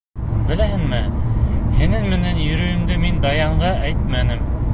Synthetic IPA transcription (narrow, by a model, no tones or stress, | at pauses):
bɘ̆læɦɘŋmɘ | hɘ̆nɘŋmɘ̆nænjɵ̆ɾɵ̆jɘ̆md̪ɘmind̪ɑjɑɴɢɑʔæjt̪̚mænɘm